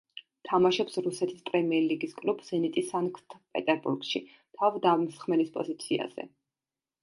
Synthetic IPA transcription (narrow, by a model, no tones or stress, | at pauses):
t̪ʰamaʃɔpsɾusɛt̪ʰispʼɾɛmiɛɾliɡiskʼlubz̥ɛnit̪ʼisankʰt̪ʰpʼɛ̰t̪ʼɛɾbṵɾɡʃḭ | t̪ʰavd̪avmsχmɛlispʼɔ̰zit̪sʰia̰z̥ɛ̰